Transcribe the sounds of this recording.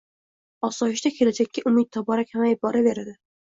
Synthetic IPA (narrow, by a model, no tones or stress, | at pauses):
ɒsɒjɪʃd̪akʲʰe̞lad͡ʒakʲːɪʔʊmɪt̪̚t̪ʰɒbɒɾakʲʰamajɪp̚bɒɾabe̞ɾad̪ɪ